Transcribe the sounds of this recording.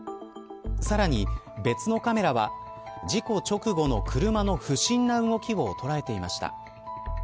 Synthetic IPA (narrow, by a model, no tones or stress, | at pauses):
saɾaɲ̟i | be̞t͡sɨno̞kame̞ɾaβa | d͡ʑiko̞t͡ɕo̞kɯ̟ɡo̞no̞kʰɯ̟ɾɯ̟mano̞ɸɯ̟ɕĩnːaɯ̟ŋo̞kʲiβo̞t̪o̞ɾae̞t̪e̞imaɕi̥t̪a̰